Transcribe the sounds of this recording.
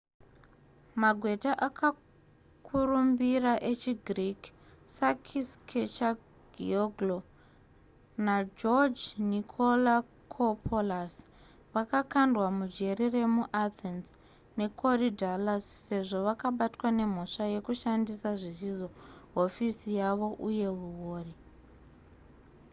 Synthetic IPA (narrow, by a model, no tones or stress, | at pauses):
maɡʱwe̞taʔakʰa | kʰurumbiraʔe̞t͡ʃiɡʱrik | sakʰiskʰet͡ʃa | ɡʱḭoɡlo | nad͡ʒord͡ʒnikʰo̞la | kʰopʰolas | ʋakakandwamud͡ʒe̞ɾire̞muʔat̪ʰens | ne̞kʰo̞ridʱalasːe̞ʐo̞ʋakaɓatwane̞m̤o̞ʂaje̞kuʃandisaʐizizo̞ɦo̞fisijaʋo̞ʔuje̞ɦuwoːri